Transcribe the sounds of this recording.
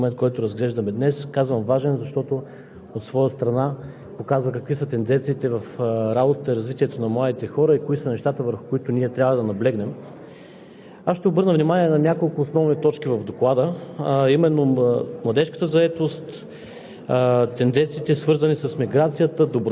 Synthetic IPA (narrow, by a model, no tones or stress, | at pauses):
mɛnt̪̚kɔjt̪oɾɐzɡlɛʒd̪ɐmɛd̪nɛskazvəmvaʒɛnzɐʃt̪ɔt̪o | ot̪svɔjəst̪ɾɐna | pokazvəkɐkvisət̪ɛnd̪ɛnt̪siːt̪ɛvɐfɾabot̪ət̪əiɾɐzvit̪iɛt̪onɐmlˠad̪it̪ɛxɔɾəikoisənɛʃt̪at̪əvəɾxʊ̥koʊit̪ʊniɛt̪ɾʲabvəd̪ɐnɐblɛɡnɛm | asʃt̪ɛobɤɾnəvnimanʲiɛnɐnʲakolˠkʊːsnɔvnit̪ɔt͡ʃkivɐvd̪oklˠad̪əimɛnːomlˠɐd̪ɛʃkə̥t̪əzɐɛt̪ost̪ | t̪ɛnd̪ɛnt̪siːt̪ɛsvɤɾzɐnisɐsmiɡɾat̪sijət̪əd̪obɾ